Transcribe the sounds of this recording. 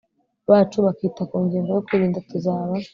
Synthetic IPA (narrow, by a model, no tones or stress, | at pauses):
βaːt͡ʃuβakitakuːɲɡiːŋɡo̞jokwuɾiːndatuzaːβa